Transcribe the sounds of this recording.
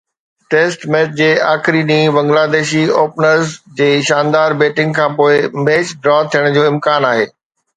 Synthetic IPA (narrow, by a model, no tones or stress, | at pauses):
ʈeːsʈmɛːt͡ɕd͡ʑeːaːxɪɾinĩːbɐ̃ŋɡlaːd̪eːʃioːpnəɾzd͡ʑeːʃãːnd̪aːɾbeːʈɪ̃ŋɡkʰãːpoːɪmeːt͡ɕɖɾɔːt̪ʰijəɽ̃d͡ʑoːɪ̃mkaːnaːɦeː